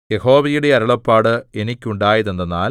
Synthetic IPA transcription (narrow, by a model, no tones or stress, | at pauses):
je̞ho̞ːʋɐjuɽe̞ɐɾɐɭɐpːaːɽɨe̞nikʲːuɳɖaːjɐðend̪ɐnːa̰ːl